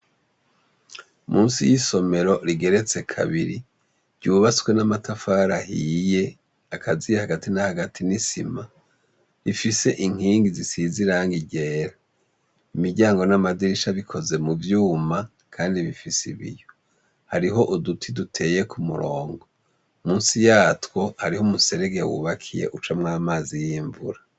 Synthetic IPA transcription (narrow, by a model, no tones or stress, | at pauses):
muːnsḭjiso̞me̞ɾo̞ɾiɡe̞ɾe̞t͡se̞kʰa̰βiɾi | ɾɟuːβasɡwe̞namatʰafaɾahiːje̞ | akʰaziehaɡatinahaɡatʰinisḭma | ɾifise̞ʔiŋ̥hiːŋɡizisiziɾaŋɡiɟe̞ːɾa | imiɟaːŋɡo̞namadiɾiʃaβikʰo̞ze̞muvjuːma | kʰaːndiβifisḭβḭjo | haɾiɦo̞ʔudutʰidutʰe̞je̞kʰumuɾoːŋɡo̞ | muːnsijaːtwo̞haɾihomuse̞ɾeɡejawṵβakʰije̞̰ʔut͡ʃamŋaːmaːzijiːɱvuɾa